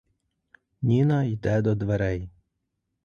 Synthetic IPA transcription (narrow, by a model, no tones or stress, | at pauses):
nʲinɐjd̪ɛd̪ɔd̪ʋeɾɛj